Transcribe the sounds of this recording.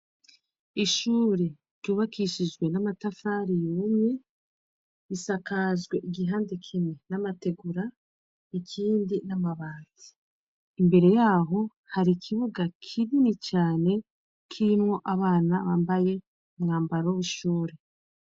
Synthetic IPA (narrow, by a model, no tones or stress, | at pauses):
iʃuːɾe̥ | ɟuːβakʰiʃid͡ʒɡwe̞namatafaːɾijumɲe | isakazɡwe̞ʔiɡiɦaːndekʰimenamate̞ɡuɾa | ikʰiːndinamaβaːnzi̥ː | mbe̞ɾe̞jaːɦo̞ | haɾikʰiβoɡakʰiβinit͡ʃaːne̞ | kʰiɾimŋo̞ʔaβaːnaβaːmbaje̞ | umŋaːmbaɾoβuʃuːɾe